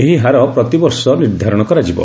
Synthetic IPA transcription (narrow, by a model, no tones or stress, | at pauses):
eɦiɦaɾɔpɾɔt̪ibɔɾsɔniɾd̪ʱaɾɔɽ̃ɔkɔɾad͡ʒibɔ̰